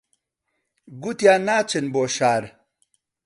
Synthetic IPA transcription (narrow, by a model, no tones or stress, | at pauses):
ɡut̪jaːnaːt͡ɕenboːɕaːɾ